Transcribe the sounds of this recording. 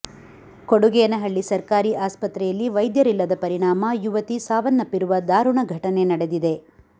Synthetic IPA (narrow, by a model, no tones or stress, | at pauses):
koɽuɡɛjɐnɐɦɐɭːisɐɾkaːɾiʔaːspɐt̪ɾɛjɐlːiʋɐjd̪jɐɾilːɐd̪ɐpɐɾiɳaːmɐjuʋɐt̪isaːʋɐnːɐpːiɾuʋɐd̪aːɾuɳɐɡʱɐʈɐne̞nɐɽe̞d̪id̪e̞